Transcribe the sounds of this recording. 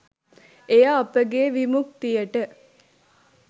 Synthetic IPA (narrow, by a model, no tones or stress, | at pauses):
ejaːpəɡeːʋimukt̪ijəʈə